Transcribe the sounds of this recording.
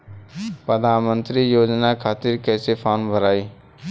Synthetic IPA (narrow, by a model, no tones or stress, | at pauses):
pɾəd̪ʱaːnmənt̪ɾijoːd͡ʒnakʰat̪iɾkəɪsepʰanbʱəɾaːi